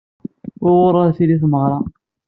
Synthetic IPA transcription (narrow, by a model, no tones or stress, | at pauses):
ʊɾwʊɾˤːɑθiliθməʁɾˤɑ